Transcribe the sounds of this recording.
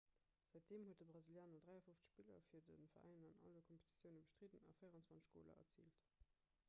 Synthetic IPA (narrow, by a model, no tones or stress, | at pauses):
z̥æɪt̚d̥eːmhuətdəbʁɑziljaːnɐdʁæɪɐfoft͡sə̥ʃpilɐ̰fiːɐdənfɐʁæ̰ɪnɐnɑ̰lɐkʰɔmpe̥tʰi̥t͡sjəʊnəbəʃtʁidənɑ̰fəjəʁɑnt͡svɑnt͡sə̥ʃɡ̥o̰ːlɐ̰ʔɐ̰t͡sḭːlt